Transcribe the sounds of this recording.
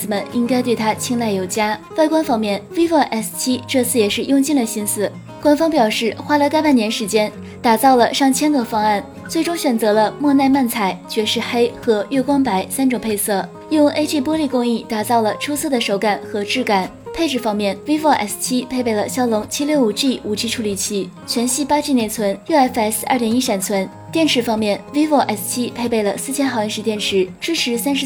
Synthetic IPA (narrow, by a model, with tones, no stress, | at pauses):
ɹ̩˨˩mə˧˥ni˥ŋka˥ɪt̪we˥˩ɪt̪ʰa˥t͡ɕʰi˥ŋla˥˩ɪjo˨˩ʊt͡ɕja˥wa˥˩ɪkwa˥nfɑ˥ŋmjɛ˥˩nwi˥fə˥˧ʔɛ˥˩st̪ʰi˥ʈ͡ʂɤ˥˧t͡sʰɹ̩˥˩jɛ˨˩ʂɻ̩˥˧jʊ˥˧ŋt͡ɕi˥˩ŋd̪ə˩ɕi˥nsɹ̩˥˩ | kwa˥nfɑ˥ŋpjɑ˨˩ʊʂɻ̩˥˩xwa˥lə˧ka˥ɪpa˥˩njɛ˧˥nʂɻ̩˧˥t͡ɕjɛ˥n | t̪a˨˩t͡sɑ˥˩ʊlə˩ʂɑ˥˩ŋt͡ɕʰjɛ˥nɡ̪ə˨˧fɑ˥ŋa˥˩n | t͡swe˥˩ɪʈ͡ʂʊ˥ŋɕɥɛ˨˩nt͡sɤ˧˥lə˧mwɔ˥˧na˥˧ɪma˥˩nt͡sʰa˧˥ɪt͡ɕɥɛ˧˥ʂɻ̩˥˧xe˥ɪxɤ˧˥ɥɛ˥˩kwɑ˥ŋpa˧˥ɪsa˥nʈ͡ʂʊ˨˩ŋpʰe˥˧ɪsɤ˥˩ | jʊ˥˧ŋʔe˥ʈ͡ʂi˥˩pwɔ˥li˥˩kʊ˥ŋi˥˩t̪a˨˩t͡sɑ˥˩ʊlə˩ʈ͡ʂʰu˥sʰɤ˥˩d̪ə˩ʂo˧˥ʊka˨˩˦nxɤ˧˥ʈ͡ʂɻ̩˥˩ka˨˩˦npʰe˥˧ɪʈ͡ʂɻ̩˥˩fɑ˥ŋmjɛ˥˩nwi˥wɔ˥˧˩ʔɛ̰˥˩st͡ɕʰi˥pʰe˥˩ɪpe˥˩ɪlə˩ɕjɑ˥ʊlʊ˧˥ŋt͡ɕʰi˥ljo˥˩ʊu˨˩ʈ͡ʂi˥˩u˨˩t͡ɕʰi˥ʈ͡ʂʰu˧˥li˨˩t͡ɕʰi˧˥ | t͡ɕʰɥɛ˧˥nɕi˥˧pa˥ʈ͡ʂi˥˧njɛ˧˩nt͡sʰwə˧˥n˥˩ɛ˥fsa̰˞˥˩t̪jɛ˧˥ni˥ʂa˨˩nt͡sʰwə˧˥n | t̪jɛ˥˩nʈ͡ʂʰɻ̩˧˥˩fɑ˥ŋmjɛ˥˩nwi˥wɔ˥˩ʔɛ˥˩st̪ʰi˥pʰe˥˧ɪpe˥˩ɪlə˩sɹ̩˥˩t͡ɕʰjɛ˥nxɑ˨˧ʊɛ˥˧nʂɻ̩˧t̪jɛ˥˩nʈ͡ʂʰɻ̩˧˥ʈ͡ʂɻ̩˥ʈ͡ʂʰɻ̩˧˥sa˥nʂ̩˧˥